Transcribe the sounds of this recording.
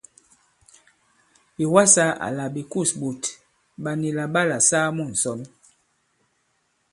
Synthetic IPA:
bi˨wa˦sa˦ʔa̰˨la˨bi˨ku˦˨sbo˨t | ba˨ni˨la˨ɓa˦la˨saː˦mu˦˨n̩˨sɔ˦n

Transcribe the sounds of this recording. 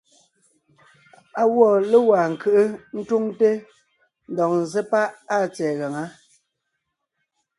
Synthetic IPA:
a˨wɔ˦˨le˦wa˨ŋ̩˨kɨ˨ʔɨ˦n̩˦tu˦ŋte˦ | n̩˦˨dɔ˨ŋn̩˨ze˦pa˦ʔa˦˨t͡sɛː˨ɣa˨ŋa˦

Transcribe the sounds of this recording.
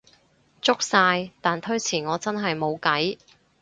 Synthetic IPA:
t͡sʊ˥k̚saː˧jt̪aː˨nt̪ʰɵ˥ɥt͡sʰiː˨˩ŋɔː˨˧t͡sɐ˥nɦɐ˨jmo˨˧wkɐ˨˥j

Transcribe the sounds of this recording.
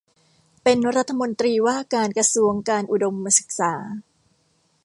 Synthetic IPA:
pe˧nɾa˦˥t̪ʰːa˧mo˧nt̪ɾiː˧waː˥˩kaː˧nkɾa˧su˧əŋkaː˧nʔu˨˩do˧mːa˧sɯ˨˩k̚saː˩˦

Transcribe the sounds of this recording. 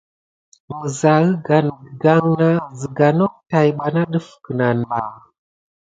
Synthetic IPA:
mə˨za˨ɣə˦ɡa˨n˨ɡa˦ŋna˦zi˨ɡa˨no˦k̚ta˨jɓa˨na˦ɗə˦fkə˨na˨nɓa˨

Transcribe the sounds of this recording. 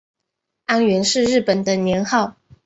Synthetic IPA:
a˥nɥɛ˧˥nʂɻ̩˥˧ɻɻ̩˥˩pə˨˩nd̪ə˦njɛ˧˥nxɑ˥˩˨ʊ

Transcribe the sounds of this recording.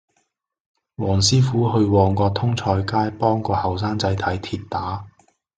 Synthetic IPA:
wɔː˨˩ŋsiː˥fuː˨˥hɵ˧ɥwɔː˧ŋkɔː˧t̪ʰʊ˥ŋt͡ʃʰɔː˧jkaː˥jpɔː˥ŋkɔː˧hɐ˨˩ws̬aː˥ŋt͡sɐ˨˥jt̪ʰɐ˨˥jt̪ʰiː˧tt̪aː˨˥

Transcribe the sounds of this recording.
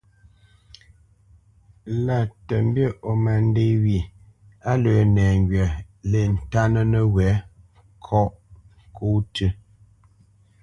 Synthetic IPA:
la˨tə˨m˦bjə˦˨ʔo˨ma˨n˦de˦wi˨ | a˦lə˨˦nɛː˨ŋ˦ɡɥɛ˨ | le˨n̩˨ta˦nə˦nə˦wɛ˨˦ | kʰɔ˦ʔ | ŋ˨kʰo˦tʰə˦

